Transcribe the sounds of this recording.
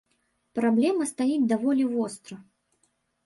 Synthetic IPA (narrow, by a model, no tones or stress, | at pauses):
pɾablʲɛmɐst̪ajid͡zʲd̪avɔlʲivɔst̪ɾɐ